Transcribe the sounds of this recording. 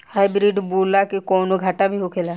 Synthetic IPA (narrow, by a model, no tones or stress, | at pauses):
haːɪbɾiɖbuːlakikɔːnoɡʱaːʈabʱiɦokʰelaː